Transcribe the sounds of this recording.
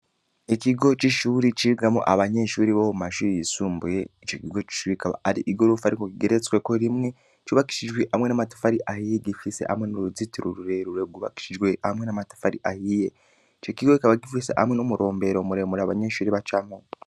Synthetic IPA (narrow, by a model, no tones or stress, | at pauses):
ekiɡo̞t͡ʃiʃuɾit͡ʃiɡamṵʔaβaɲe̞ʃuːɾiβoumaʃuɾijisuːmbujeit͡ʃokiɡo̞t͡ʃi̥ʃuɾikaβa̰aɾḭʔiɡoɾufaɾikokiɡeɾet͡swekoɾimŋe̞ | t͡ʃuβaki̥ʃiʒɡweʔamwe̞namatu̥faɾiʔahijeɡifisḛʔha̰mŋe̞noɾuzitiɾuɾuɾeɾuɾeɡuβa̰ki̥ʃiʒɡweamwe̞namatu̥faɾiʔahije | t͡ʃokiɡoikaβaɡifisḛʔa̰mwenomuɾʔo̞ːmbeɾomuɾemuɾaβaɲeʃuːɾiβat͡ʃamo